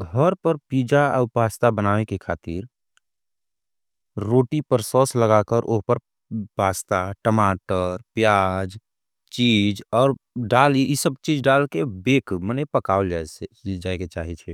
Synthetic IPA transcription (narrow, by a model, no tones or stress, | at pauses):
ɡʱəɾpəɾpiːd͡ʒaəʊpaːst̪abənaːʋekekʰaːt̪iɾ | ɾoːʈipəɾsɔːsləɡakəɾʔoɦpəɾ | paːst̪aʈəmaːʈəɾpjaːd͡ʒ | t͡ʃiːd͡ʒɔːɾɖaːliisəbt͡ʃiːd͡ʒɖaːlkebeːkmənepəkaold͡ʒad͡ʒaːeket͡ʃaːɦit͡ʃʰɛ